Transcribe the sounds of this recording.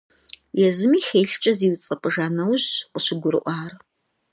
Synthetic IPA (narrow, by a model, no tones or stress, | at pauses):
jɛzɨmiːxeːɬt͡ʃʼɐziːwt͡sʼɐpʼɨʒaːnɐwʑqəɕɪɡʷʊɾɨ̰ʔʷɑːr